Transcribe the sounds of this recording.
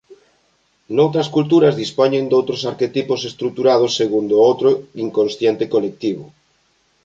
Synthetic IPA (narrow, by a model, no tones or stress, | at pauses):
nowt̪ɾɐskult̪uɾɐzðispɔɲend̪owt̪ɾosaɾket̪iposest̪ɾuk̚t̪uɾað̞osːeɣund̪oowt̪ɾoiŋkonsθjent̪ɪkolek̚t̪iβʊ